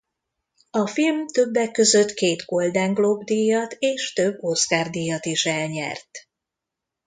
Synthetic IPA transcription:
ɒfilmt̪ø̞bːɛkːø̞zøt̪keːt̪ɡo̞ld̪aːŋɡlobd̪ijɒt̪eːʃt̪ø̞bːo̞skaːrd̪iːjɒt̪iʃɛlɲɛ̰rt̪

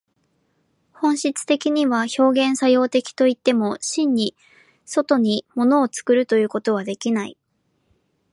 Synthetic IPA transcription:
hõ̞ɰ̃ɕit͡sɨ̥t̪e̞kʲiɲ̟iβaço̞ːɡẽɰ̃sajo̞ːt̪e̞kʲi̥t̪o̞it̪ːe̞mo̞ɕĩɲ̟ːi | so̞t̪o̞ɲ̟imo̞no̞ːt͡sɨ̥kɯ̟ɾɯ̟t̪o̞jɯ̟ːko̞t̪o̞β̞ad̪e̞kʲinai

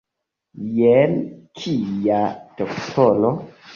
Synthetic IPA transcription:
jɛnkʰijatɔktʰɔlɔ

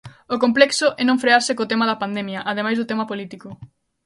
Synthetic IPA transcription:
okomplɛksʊʔɛnõŋfɾeaɾsɪkot̪emaðɐpand̪emjɐʔað̞emajzðʊt̪emɐpolit̪ikʊ

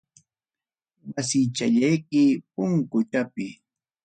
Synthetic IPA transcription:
wasɪt͡ʃaʎajkɪpʊŋkʊt̪apɪ

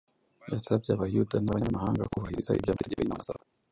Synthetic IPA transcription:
jasab̚ɟaβajudanaβaɲɲamahaːŋɡakuβahiɾiza̰ḭbjaːmiteka̰imanasaa

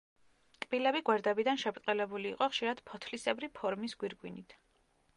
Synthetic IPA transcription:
kʼb̥ilɛbiɡwɛɾd̪ɛbid̪anʃɛpɾt̪ʼqʼɛlɛbuliːqʼɔχʃiɾad̪̥pʰɔt̪ʰlisɛbɾipʰɔɾmisɡwiɾɡwinit̪ʰ

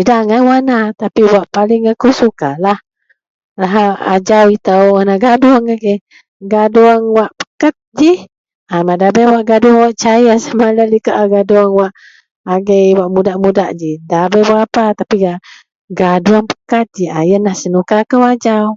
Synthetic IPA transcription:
idaŋawanat̪apiwaʔpalɪŋakusukalah | laɦaa̰d͡ʒawit̪awwanaɡaduaŋaɡəj | ɡaduaŋwaʔpə̥kat̪̚d͡ʒi | amadabəjwaʔɡaduaŋwaʔt͡ʃajasamalalikaʔaɡaduaŋwaʔː | ɡəjwaʔmudaʔmudaʔd͡ʒidabəjwaʔapat̪apiɡa | ɡaduaŋpə̥kat̪̚d͡ʒiajənːahsənukaːkəwad͡ʒaw

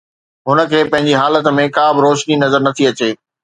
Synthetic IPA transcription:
ɦʊnə̆kʰeːpɐ̃ɦɪ̃ɲ̆d͡ʑiɦaːlət̪̆mẽkaːbɪɾoːʃninɐzəɾnɐt̪ʰiɐt͡ɕeː

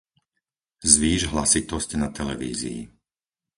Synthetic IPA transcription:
zʋiːʒɦlasit̪ɔscnat̪ɛlɛ̰ʋḭːzḭḭ

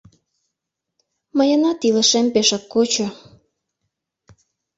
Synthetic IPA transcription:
məjənɑt̪iləʃempeʃɑkːot͡ɕo

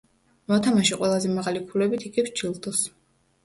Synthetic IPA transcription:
mɔt̪ʰamaʃiqʼwɛlˠazɛmaʁalikʰulɛbit̪ʰiɡit͡ʃʰilˠd̪ʼɔs

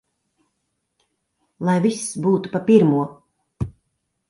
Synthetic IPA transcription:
lˠajvisːbuːt̪upapiɾmuɔ

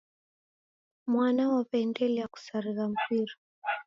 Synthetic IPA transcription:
mwanawapɛndɛlɛjaku̥saɾiɣam̩kiɾɔ

